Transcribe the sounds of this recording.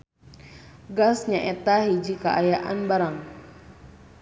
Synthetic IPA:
ɡasɲaʔɛt̪aɦid͡ʒikaʔajaʔa̰nbaɾaŋ

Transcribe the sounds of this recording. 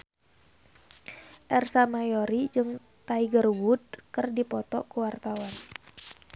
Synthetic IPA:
ʔɛrsamajoɾid͡ʒɨŋ | t̪aiɡərwud̚kɨrdipɔt̪ɔ̰kuwart̪awan

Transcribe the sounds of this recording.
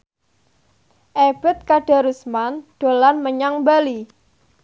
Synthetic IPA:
ʔeb̥ɛ̤t̪̚kaɖ̥a̤ɾusmanɖ̥o̤lanməɲaŋbali

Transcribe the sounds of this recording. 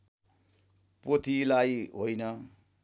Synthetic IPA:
pot̪ʰilajɦojnʌ

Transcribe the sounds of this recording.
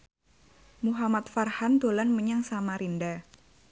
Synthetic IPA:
muɦamat̪farhand̪olanməɲaŋsamaɾinda

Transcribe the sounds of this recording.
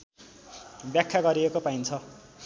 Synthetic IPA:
bjakʰːaɡʌɾiekopaint͡sʰʌ

